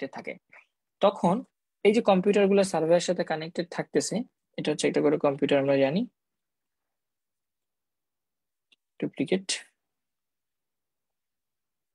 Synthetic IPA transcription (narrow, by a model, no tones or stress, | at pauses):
ʈet̪ʰakḛ | t̪ɔkʰon | ejd͡ʑekɔmpjuʈaɾɡulaɾsaɾbʱeeɾʃat̪ʰekanek̚ʈeɖ̚t̪ʰak̚t̪esʰe | eʈat͡ɕːek̚ʈakoɾekɔmpjuʈaɾamɾad͡ʑani | ʈɾuplikeʈ